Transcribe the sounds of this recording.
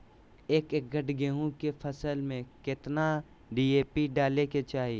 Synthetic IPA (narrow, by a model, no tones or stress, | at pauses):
eːkek̚ɡʱɐʈɡeːɦũkepʰɐsəlmẽkɪt̪na | ɖiːeːpiɖaːleket͡ʃaːɦi